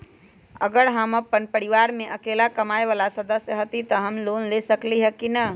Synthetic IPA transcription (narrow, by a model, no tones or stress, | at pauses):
ə̰ɡəɾɦəməpːənpəɾiʋaɾmeʔəkelakəmaeʋalasəd̪əsjəɦət̪it̪əɦəmlonlesəkliɦəkinə